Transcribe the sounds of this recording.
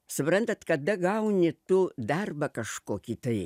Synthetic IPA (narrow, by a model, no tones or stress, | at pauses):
sʊpɾɐnt̪ɐt̪kɐd̪ɐɡɐʊnʲɪt̪ʊd̪ɐrbɐkɐʃkoːkʲit̪ɐɪ